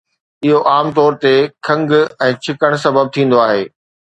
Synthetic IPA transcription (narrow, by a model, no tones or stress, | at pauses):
ɪɦoʔaːmt̪ɔːɾt̪ekʰɐ̃ŋɡɛ̃ːt͡ɕʰɪkəɽ̃sɐbəb̚t̪ʰĩːn̆d̪oaːɦeː